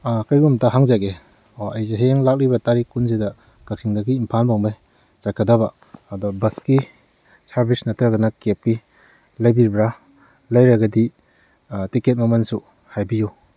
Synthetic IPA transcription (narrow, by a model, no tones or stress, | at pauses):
akajɡumtaɦaŋzaɡe | oɐjzeɦeŋlak̚libɐtaɾikunzidɐ | ɡ̥ak̚siŋdaɡiːmpʰanbaŋmaj | t͡ʃakʰːadabaː | dɔbɐski | saɾbisnɐtɾaɡɐnɐkep̚ki | lajbiɾbɾa | lajɾaɡɐdi | tiket̚mɐmansu | hajbiju